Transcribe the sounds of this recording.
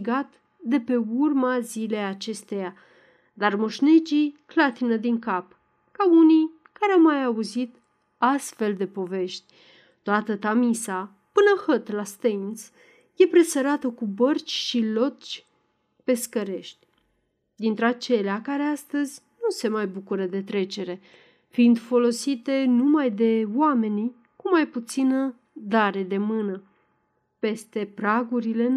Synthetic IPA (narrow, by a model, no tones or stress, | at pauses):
iɡat̪ | d̪e̞pe̞urmazile̞jat͡ʃe̞st̪e̞ja | d̪armoʃned͡ʒiklat̪inəd̪iŋkap | kaunij | kaɾeawmajauzit̪ | ast̪fe̞ld̪e̞po̞ve̞ʃt̪ʲ | t̪oat̪ət̪amisa | pɨnəhət̪last̪ens | je̞pɾe̞səɾat̪əkubərt͡ʃʲʃilo̞t͡ʃʲ | pe̞skəɾe̞ʃt̪ʲ | d̪int̪ɾeat͡ʃe̞leakaɾeast̪əzʲnuse̞majbukuɾəd̪e̞t̪ɾe̞t͡ʃe̞ɾe̞ | fiind̪fo̞lo̞sit̪e̞numajd̪e̞wame̞ni | kumajput̪sinə | d̪aɾe̞d̪e̞mɨnə | pe̞st̪e̞pɾaɡuɾile̞